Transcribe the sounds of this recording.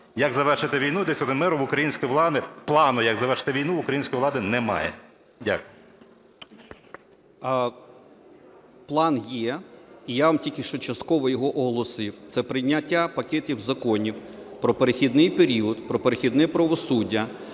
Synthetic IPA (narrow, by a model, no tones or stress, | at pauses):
jɐɡzɐʋɛrʃɪt̪ɪʋʲijnud̪ɛsʲɔd̪ɛmɛɾʊʋʊkɾɐjinʲsʲkɔjiʋlˠɑd̪ɪplˠɑnʊjɐɡzɐʋɛrʃɪ̥t̪ɪʋʲijnuʋʊkɾɐjinʲsʲkɔjilˠɑd̪ɪnɛmɑ̰jɛ̰ | dʲa̰kʊj | plˠɑnjɛijaʋamtʲilʲkʲɪʃt͡ʃɔt͡ʃɐst̪kɔʋɔjɔɦɔʔɔɦɔlˠɔsɪwt̪sɛpɾɪjnʲːɐtʲːapɐkʲɛtʲiwzɐkɔnʲiwpɾɔpeɾexʲid̪nɪjpeɾʲiɔd̪pɾɔpeɾexʲid̪nɛpɾɐʋɔsudʲːɐ